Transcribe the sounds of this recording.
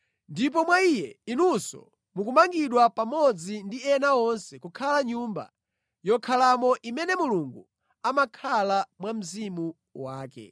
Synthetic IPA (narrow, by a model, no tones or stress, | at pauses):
ndip̬ɔmwaijɛinusɔ̰ | muk̬umaŋɡiɗwapamɔd͡zindiɛnaɔnsɛkukʰalaɲumba̰ | jɔkʰalamɔʔimɛnɛmuluŋɡu | amakʰalamwam̩zimu | waːkɛ̰